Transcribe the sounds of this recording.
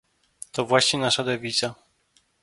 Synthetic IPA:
t̪ɔvwaɕɲɛnaʂad̪ɛvʲit̪sa

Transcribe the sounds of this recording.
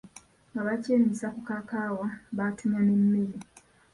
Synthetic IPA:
ŋɡaβaceːnisakukakaːwaβatumjanemːeɾi

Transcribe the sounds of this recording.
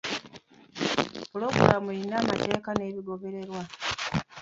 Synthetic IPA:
uloːkulamuinaːmate̞ːkane̞ːβiɡo̞βe̞ɾe̞ɾwa

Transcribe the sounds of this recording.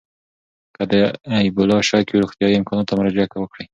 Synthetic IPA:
kad̪əaibʊlɑʃɑkewɾuxt̪ijɑiɪmkʰɑnɑt̪ːamaɾɑd͡ʒakawəkɽij

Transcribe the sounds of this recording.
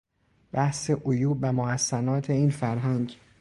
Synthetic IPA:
b̥æhse̞ʔojuːbvæmohæsːænɒːt̪ʰe̞iːnfæɾɦæŋɟ

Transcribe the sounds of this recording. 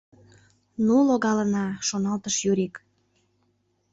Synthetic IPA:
nuloɣɑlənɑʃonɑlt̪əʃjyɾik

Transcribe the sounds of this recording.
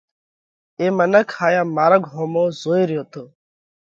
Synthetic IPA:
eːmənəkʰːaːjaːmaːɾəɡʱɦoːmoːzoːiɾjoːt̪oː

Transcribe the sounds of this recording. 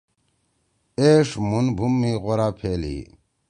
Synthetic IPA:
eːʂmunbʱumːiːɣoɾaːpʰeːlḭː

